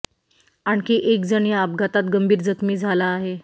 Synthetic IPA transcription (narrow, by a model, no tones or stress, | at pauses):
aɳkiʔek̚d͡zəɳjaap̚ɡʱat̪at̪ɡəmbʱiːɾd͡zət̪miːd͡zʱalaːɦe